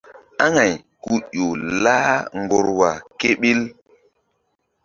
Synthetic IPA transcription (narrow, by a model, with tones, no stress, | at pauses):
a˦ŋa˨jku˦o˨la˦ŋɡo˨ɾwa˨ke˦ɓi˦l